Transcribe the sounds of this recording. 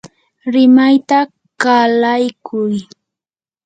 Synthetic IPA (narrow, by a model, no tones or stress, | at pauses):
ɾɪmajt̪a | kalajkʰʊj